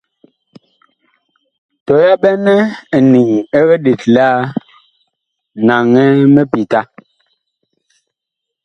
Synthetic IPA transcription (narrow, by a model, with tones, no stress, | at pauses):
tɔ˨ja˦ɓɛ˦nɛ˦˨ni˨ŋɛ˦ɣɛ˦de˨tla˦ | na˨ŋɛ˦mɛ˦pi˨ta˦